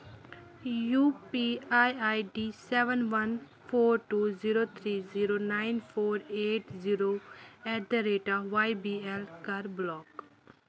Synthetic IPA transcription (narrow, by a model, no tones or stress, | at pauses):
juːpiaːjajɖisɛːʋənʋɐn | pʰoːɾʈuːziːɾoːt̪ʰɾiːziːɾoːnaːɪnpʰoːɾeːʈziːɾoːɛɖ̪əɾeːʈaʋajbiːɛlkɐɾblɔːk